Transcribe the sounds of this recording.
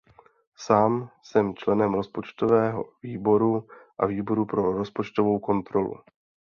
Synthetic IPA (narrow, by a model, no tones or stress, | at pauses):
saːmsɛmt͡ʃlɛnɛmɾo̞spo̞t͡ʃt̪o̞vɛːɦo̞̰viːbo̞ɾuʔaviːbo̞ɾupɾo̞ɾo̞spo̞t͡ʃt̪ovo̞wko̞nt̪ɾo̞lṵ